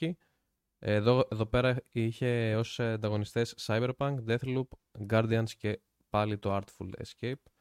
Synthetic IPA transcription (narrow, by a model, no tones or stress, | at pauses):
i | ðoeðo̞pe̞ɾɐiçe̞o̞sɐnd̪ɐɣo̞nist̪esːɐjbe̞ɾpɐŋkd̪e̞θlup | ɡɐɾd̪iɐnsce̞ | pɐlit̪o̞ɐɾt̪fṵlḛscejp̚